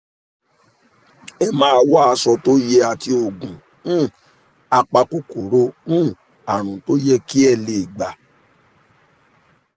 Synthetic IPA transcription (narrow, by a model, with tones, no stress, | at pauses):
ɛ˧mãː˦a˧wa˦a˧sɔ˧to˦jɛ˧a˨ti˧o˨ɡũ˨ | nũ˦˨ | a˧k͡pa˧ko˦ko˨ɾo˧˦nũ˦˨ | a˨ɾ̃ũ˨to˦jɛ˧ki˦ɛ˦˨le˨i˨ɡ͡ba˨